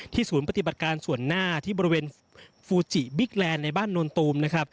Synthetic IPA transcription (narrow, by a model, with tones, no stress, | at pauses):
t̪ʰiː˥˩suː˩˦npa˧t̪i˨˩ba˨˩t̪̚kaː˧nsu˨˩ənːaː˥˩t̪ʰiː˥˩bɔː˧ɾi˧weː˧n | fuː˧t͡ɕi˨˩bi˦˥k̪̚lɛː˧nːa˧jbaː˥˩nːoː˧nt̪uː˧mna˦˥kʰɾa˦˥p̚